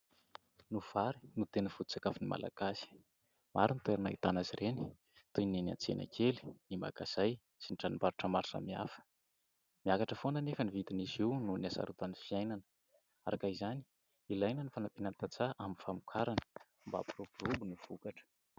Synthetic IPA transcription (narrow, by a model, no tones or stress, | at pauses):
nuv̥aɾinut̪enəfut̪ut͡sakafinima̰la̰ɡ̥asi̥ | maɾinit̪weɾanait̪anaziɾeni̥ | t̪ujnina̰nt͡sḛna̰kʰeli̥nima̰kaz̥aj | sinʈ͡ʂanimbaɾuʈ͡ʂəmaɾsa̰mia̰fə̥ | miakaʈ͡ʂəfonənefənivit̪inisiwnunasa̰ɾut̪anifiajnanə̥ | a̰ɾakaizani̥ | ilajnənifanapinant̪at͡saʔaminfamukʰaɾanə̥ | mba̰purupurubunuv̥ukaʈ͡ʂə̥